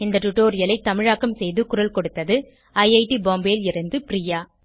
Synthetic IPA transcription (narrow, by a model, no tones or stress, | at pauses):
ɪnd̪ɐʈʊʈːoːɾɪjɐlɐɪt̪ːɐmɪɻaːkːɐmsɛjðɯkʊɾɐlkɔɽɯt̪ːɐðɯ | ɐɪɐɪʈibaːmbeːlɪɾɐnd̪ɯpɾijaː